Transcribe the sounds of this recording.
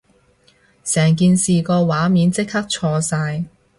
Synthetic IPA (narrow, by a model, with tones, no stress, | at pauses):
sɛː˨˩ŋk̬iː˨nsiː˨kɔː˧waː˨˥miː˨˥nt͡sɪ˥k̚hɐ˥k̚t͡ʃʰɔː˧saː˧j